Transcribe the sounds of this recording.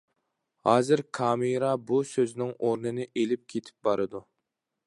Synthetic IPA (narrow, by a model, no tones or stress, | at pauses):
hɑːzɪɾkʰɑːmiɾɑbusøznɪŋoɾnɨnɨʔelɪp̚kʲʰet̪ʰɪ̥p̚bɑɾɨd̪u